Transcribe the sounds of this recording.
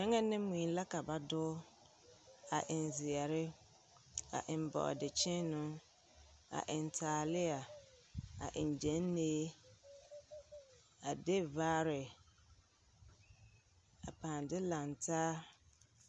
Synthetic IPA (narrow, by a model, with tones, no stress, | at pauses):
mɛ˦ŋɛ˦nɪ̃˦mũ˨˦la˦ka˨ba˨dʊ˦ | a˨ʔɪ˨n˨zi˨ɛ˨ɾɪ˦ | a̰˨ʔɪ˨m˨bɔ̰˨dɪ˨t͡ʃɪ̃˦nʊ̃˦ | a̰˨ʔɪ˨n˨tʰaː˨lɪ˦a˨ | a̰˨ʔɪ̰˨n˨d͡ʒɛ̃˦nː˦eː˦ | a˨de˦vaː˦ɾɪ˨ | a˨pãː˨ndɪ˦lã˨ntʰaː˦